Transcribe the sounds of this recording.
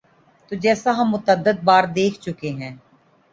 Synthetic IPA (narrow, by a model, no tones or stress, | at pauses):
t̪oːd͡ʒɛːsaɦɐmːʊt̪əd̪ːəd̪̚baːɾd̪eːkʰt͡ʃʊkeɦɛ̃ː